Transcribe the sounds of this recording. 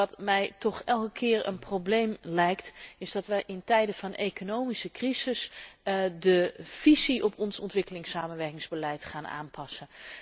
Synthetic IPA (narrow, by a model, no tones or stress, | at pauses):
ɑtmɛjtɔχɛlˠkəkʰɪːɹə̰nproblejmlɛjktɪzdɑtʋəʔɪntɛjdəvɑnejkonowmisəkrizɪs | dəv̥iziʔɔpɔnsɔ̰ntʋɪkəlɪŋsaːmənʋɛɹkɪŋzbəlɛjtχaːnʔa̰ːnpɑsən